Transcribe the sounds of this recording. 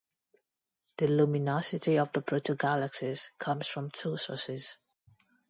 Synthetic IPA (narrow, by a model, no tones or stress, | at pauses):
ð̥ilumɪnɔsɪtiɔvðəpʰɹ̥otʰoɡaləksɪskʰʌ̃mz̥fɹə̃mtʰusɔ̰ˑsɪz̥